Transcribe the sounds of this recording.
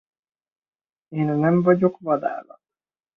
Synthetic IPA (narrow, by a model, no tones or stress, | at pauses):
eːnnɛɱvɒɟokvɒd̪a̰ːlɒ̰t̪